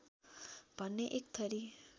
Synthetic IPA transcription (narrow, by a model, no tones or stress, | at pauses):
b̥ʱʌnːeʔekt̪ʰʌɾi